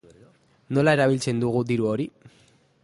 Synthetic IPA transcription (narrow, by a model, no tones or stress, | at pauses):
no̞lae̞ɾaβ̞ilt͡se̞nd̪uɣ̞ud̪iɾuoɾi